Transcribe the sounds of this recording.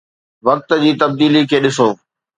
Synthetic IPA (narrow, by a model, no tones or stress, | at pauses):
ʋɐk̚t̪̆d͡ʑiːt̪ɐb̚d̪iːlikʰeːɗɪsoː